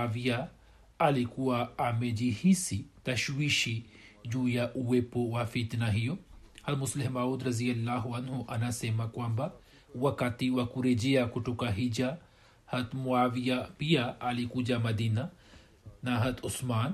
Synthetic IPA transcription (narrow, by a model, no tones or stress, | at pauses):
aʋija | ɐlikuaaːmed͡ʒihisit̪ɐʃwiːʃi | d͡ʒujaʔuwepowafit̪naɦijohɐt̪mʊslɪmaːud̪ɾɐzijɐlːaːɦuɐnɦuʔɐnaseːmakwamba | wɐkat̪iwakuɾed͡ʒijakʊʈukaɦid͡ʒa | hɐt̪muaːʋijapijaalikud͡ʒamɐd̪iːna | naɦɐt̪ʊsmaːn